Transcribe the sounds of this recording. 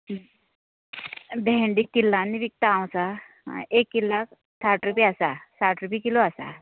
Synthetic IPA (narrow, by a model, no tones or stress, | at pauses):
bɛɳɖikːilːãnːiʋik̚t̪aãw̃sa | ekːilːak | t̪ʰaʈɾupiasasaʈɾupiːkiloasa̰